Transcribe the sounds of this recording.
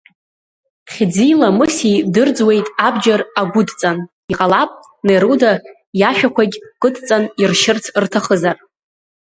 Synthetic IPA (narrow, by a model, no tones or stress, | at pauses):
χʲd͡zijlamɨsidɨrd͡zwe̞jtʼabd͡ʒaraɡʷʊdt͡sʼan | iqʼalapʼ | neɾoda | jaʃᶣakʷʰaɡʲkʼɨtʰt͡sʼanirʃɪrt͡sʰrtʰaχəzar